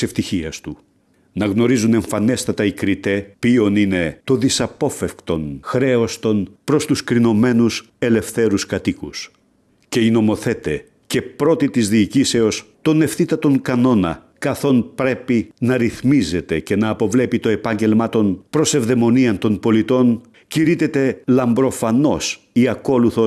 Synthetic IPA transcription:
seft̪içiɐst̪u | nɐɣno̞ɾizune̞ɱfɐne̞st̪ɐt̪ɐikɾit̪e̞pio̞nine̞t̪o̞ðisɐpo̞fefkt̪o̞nxɾe̞o̞st̪o̞npɾo̞st̪uskɾino̞me̞nus | e̞le̞fθe̞ɾuskɐt̪ikus | ce̞ino̞mo̞θe̞t̪e | ce̞pɾo̞t̪it̪izðiːcise̞o̞st̪o̞ne̞fθit̪ɐt̪o̞ŋkɐno̞nɐ̰ | kɐθo̞npɾe̞pinɐɾiθmize̞t̪e̞ce̞nɐːpo̞vle̞pit̪o̞e̞pɐɲɟe̞lmɐt̪o̞npɾo̞se̞vðe̞mo̞niɐnt̪o̞npo̞lit̪o̞n | ciɾit̪e̞t̪e̞lɐmbɾo̞fɐno̞s | iɐko̞luθo̞

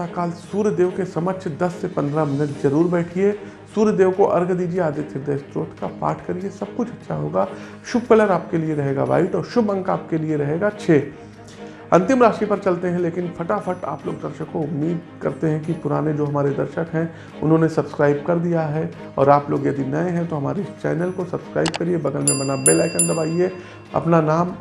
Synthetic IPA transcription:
akaːlsuːɾjəd̪eːʋkesɐmət͡ʃd̪ɐsːepɐ̃nd̪ɾamɪnəʈzɐɾuːɾbɛːʈʰie | suːɾjəd̪eːʋkoʔɐɾɡd̪iːd͡ʒieaːd͡ʒ̪eːt̪ʰɪɾd̪eːst̪ɾoːt̪ʰkapa̰ːʈʰkɐɾiesɐb̚kʊt͡ʃʰɐtːʃʰaɦoːɡaː | ʃʊb̚kələɾaːp̚kelieɾɐɦeːɡa̰ʋa̰ːɪʈɔːɾʃʊbɐ̃ŋkaːp̚kelieɾɐɦeːɡat͡ʃʰeː | ɐ̃nt̪ɪmɾaːʃʈɾipɐɾt͡ʃɐlt̪eɦɛ̃leːkɪnfʰɐʈafʰɐʈa̰ːplo̰ːɡ̚d̪ɐɾʃəkkoʊmːiːd̪̚kɐɾt̪eɦɛ̃kipʊɾa̰ːned͡ʒoːɦɐmaːɾed̪ɐɾʃəkɦɛ̃ | ʊ̰nɦõnesɐbskɾaːɪb̚kɐɾd̪ijaɦɛ | ɔ̰ːɾaːploːɡjɐd̪inaẽɦɛ̃t̪oɦɐmaːɾet͡ʃɛ̰ːnəlkosɐbskɾaːɪb̚kɐɾiebɐɡəlmẽbɐnabelaːkə̃nd̪ɐbaːie | ɐ̰pnanaːm

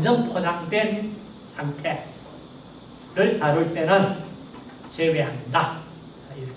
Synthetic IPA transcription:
d͡ʑʌnpʰod͡ʑaŋdwe̞n | sʰaŋtʰe̞ | ɾɯɭtaɾuɭt͈e̞nɯn | t͡ɕeweɦanda | i

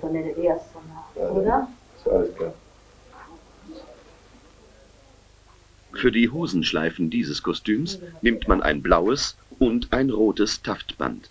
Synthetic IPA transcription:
fɔnɛndeɐstɔnaʔoːdɐ | saləsklaː | fyːɐdiːɦoːzn̩ʃla̰ɪfn̩diːzəskʰɔstyːmsnɪmtmanʔa̰ɪnblaʊəsʔʊntʔaɪnʁoːtəstʰaftb̥a̰nt

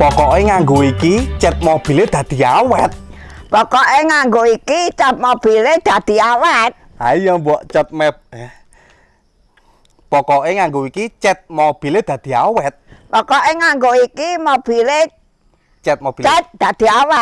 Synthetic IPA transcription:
pɔkɔʔeŋaŋɡoikit͡ʃɛt̪̚mob̥i̤led̪̥ä̤d̪̥i̤awɛt̪̚pɔkɔʔeŋaŋɡoikit͡ʃɔt̪̚mob̥i̤led̪̥a̤d̪̥i̤awat̪̚ | ajɔmbuɔʔt͡ʃɔt̪̚mɛp̚ɛ | pɔkɔʔeŋaŋɡoikit͡ʃɛt̪̚mob̥i̤led̪̥a̤d̪̥i̤awɛt̪̚pɔkɔʔeŋaŋɡoikimob̥i̤le | t͡ʃɛt̪̚mob̥iad̪̥ad̪̥i̤awat̪̚

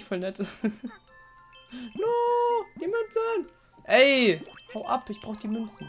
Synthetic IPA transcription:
çfɔlnɛt | nod̥iːmʏnt͡sən | ʔɛɪhaʊʔa̰pɪçb̥ʁaʊxədiːmʏnt͡sn̩

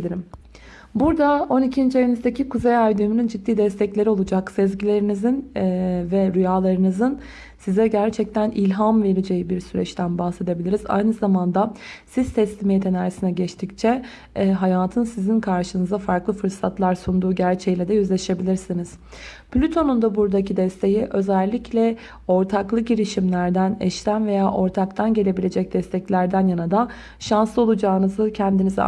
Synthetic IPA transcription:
liɾim | buɾd̪ao̞nicʰind͡ʒevenizd̪ecikuzejajd̪ymynynd͡ʒid̪ːiːd̪ɛst̪ʰɛclʲe̞ɾio̞lˠud͡ʒaksɛzɟilʲe̞ɾinizinvɛɾyjaːlˠaɾɯnɯzɯn | sizɛɟæɾt͡ʃʰɛc̚t̪ʰænilʲɦamve̞ɾid͡ʒe̞jibiɾsyɾɛ̰t͡ʃt̪ʰænbahse̞d̪e̞bilʲiɾiza̰jnɯzamand̪asiz̥t̪ʰɛslʲimejit̪ʰe̞naːɾisinɛɟɛt͡ʃt̪ʰict͡ʃʰɛ | ɦajaːt̪ʰɯnsizinkʰaɾʃɯnɯzd̪afaɾklˠɯfɯɾsat̪lˠaɾsund̪uːɟæɾt͡ʃʰejilʲɛd̪ɛjyzlʲe̞ʃe̞bilʲiɾsiniz̥ | plʲyt̪ʰo̞nund̪abuɾd̪acid̪ɛst̪ʰe̞jiʔø̞zælʲːiclʲɛ | o̞ɾt̪ʰaklˠɯɟiɾiʃimlʲæɾd̪ænɛ̰ʃt̪ænve̞jaːʔo̞ɾt̪ʰakt̪ʰanɟe̞lʲe̞bilʲe̞d͡ʒɛc̚d̪ɛst̪ʰɛclʲæɾd̪ænjanad̪an | ʃansˠɯo̞lˠud͡ʒaːnɯzɯcʰɛnd̪iniz

